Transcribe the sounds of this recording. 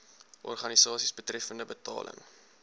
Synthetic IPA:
ʔɔ̰rχɐnisɑːsisbətrɛfəndəbətɑ̰ːlə̰ŋ

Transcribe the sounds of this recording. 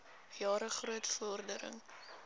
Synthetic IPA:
jɑːɾəχruətfɔrdəɾə̰ŋ

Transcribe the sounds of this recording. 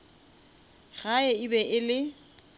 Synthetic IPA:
ɣaɛɪbɛʔɪlɪ

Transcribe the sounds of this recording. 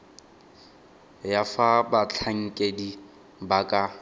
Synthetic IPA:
jafabat͡ɬʰaŋ̩kʼedi | bakʼa

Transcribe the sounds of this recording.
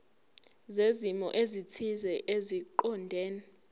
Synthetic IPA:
zezimɔ̰ʔezitʰizɛʔeziǃɔndʱɛːnɛ

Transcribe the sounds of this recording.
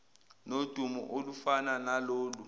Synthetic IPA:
nod̥ʱumṵʔolufananaloːlu

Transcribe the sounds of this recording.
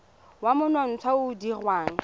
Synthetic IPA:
wamʊnɔn̩t͡sʰwaʊdirwaːŋ̩

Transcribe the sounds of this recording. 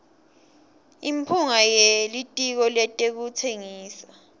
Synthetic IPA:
impʰuŋajelitʼik̬ɔlɛtʼek̬ut͡sʰeŋiːsa

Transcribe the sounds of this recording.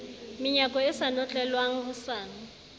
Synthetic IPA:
mɪɲakʼɔɪsanɔt͡ɬʼɛlwaŋ̩ɦʊsaːn̩

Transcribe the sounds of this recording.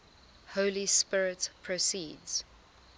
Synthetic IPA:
hoʊlispɪɹɪtpʰɹ̥osiːdz̥

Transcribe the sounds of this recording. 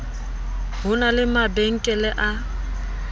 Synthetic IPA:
ɦʊnalɪmabeŋ̩kʼɛlɛʔa

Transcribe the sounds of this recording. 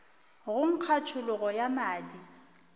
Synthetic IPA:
ɣʊŋ̩q͡χʰat͡ʃʰʊlʊɣɔjamaːdi

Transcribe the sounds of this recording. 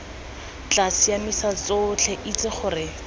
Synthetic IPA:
t͡ɬasijamisat͡sot͡ɬʰɛʔit͡sɪχʊːrɪ

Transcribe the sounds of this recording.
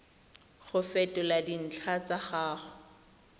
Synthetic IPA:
χʊfɛtʼɔladin̩t͡ɬʰat͡saχaːχʊ̥

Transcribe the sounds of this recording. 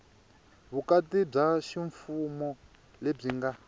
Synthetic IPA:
βukatib͡ʐaʃiɱfumɔ | leb͡ʐiŋɡa

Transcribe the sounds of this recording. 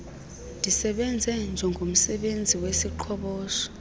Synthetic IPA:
ndʱisɛɓɛnd͡zʱɛnd͡ʒʱɛŋɡʱom̩sɛɓend͡zʱiwesiǃʰɔɓɔːʃɔ̥

